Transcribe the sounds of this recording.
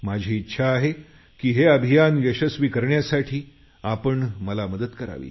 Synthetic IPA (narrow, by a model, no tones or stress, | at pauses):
mad͡ʑʱiːtːɕʰaːɦe | kiːɦeəbʱijanjəɕəsʋiːkəɾɳjasaʈʰiː | apəɳməlaməd̪ət̪kəɾa̰ʋḭː